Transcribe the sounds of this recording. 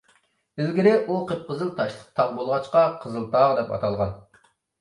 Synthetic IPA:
ɪlɡʲiɾɪʔuqʰəp̚qəzɨlˠt̪ʰɑʃlˠə̥q̚t̪ʰɑʁbolˠʁɑt͡ʃqɑqʰəzɨlˠt̪ʰɑːʁd̪ɛpɑ̰t̪ʰɑlˠʁɑn

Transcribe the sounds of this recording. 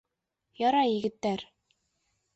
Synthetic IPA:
jɒɾɑjɘ̆ɡɘ̆t̪ːæɾ

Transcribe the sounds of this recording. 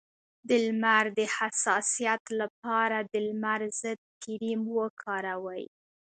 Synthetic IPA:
d̪əlmaɾd̪əhasɑsijat̪lap̚ɑɾad̪əlmaɾzəd̪̚kiɾimwəkʰɑɾawəj

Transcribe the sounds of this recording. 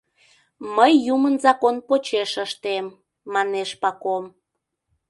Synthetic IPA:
məjːumənzɑkonpot͡ɕeʃəʃt̪emː | ɑneʃpɑkom

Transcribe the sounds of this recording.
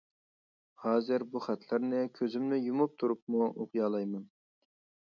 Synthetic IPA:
hɑːzɨɾbuχæt̪ʰlɪɾnɪkʲʰøzymnɪjumup̚t̪ʰuɾup̚muʔoqjɑːlˠɑjmɑn

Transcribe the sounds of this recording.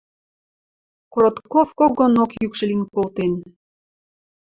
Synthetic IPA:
koɾot̪kofkoɡonokjykʃə̆linkolt̪en

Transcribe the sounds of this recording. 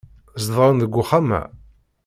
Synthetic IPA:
zðˤɾˤənðəɡʷːʊχamæ̰

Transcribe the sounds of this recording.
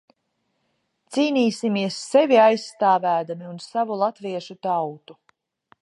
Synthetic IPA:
t̪siːniːsimiɛsːɛviajsːt̪aːvæːd̪amiunsavulˠat̪viɛʃut̪awt̪u

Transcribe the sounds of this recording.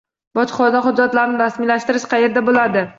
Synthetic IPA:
bɒt͡ʃ̪χɒd̪aχʊd͡ʒːat̪laɾnɪɾasmɪlaʃt̪ɪɾɪʃqʰɑje̞ɾd̪abolad̪ɪ

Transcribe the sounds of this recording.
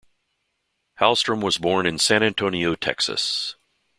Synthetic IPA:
hælˠstɹə̃mwʌzbɔɹnɨ̃nsæ̃ɾ̃æ̃ntʰoʊ̃ñioʊtʰɛ̰ksɨ̰s

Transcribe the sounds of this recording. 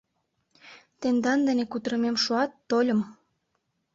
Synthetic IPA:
t̪end̪ɑnd̪ə̆nekut̪əɾə̆memʃuɑt̪ːolʲə̆m

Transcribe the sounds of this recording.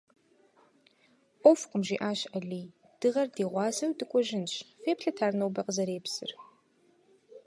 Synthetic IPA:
ʔʷɔfqʷʼəmʒiːʔaːʃɐɮiː | d̥ɨʁɐrdeːʁʷɑːzɐwdɨkʷʼɔʒɪnɕfeːpɬɐtʰaːrnowbɐqəzɐɾeːpsɨ̰r

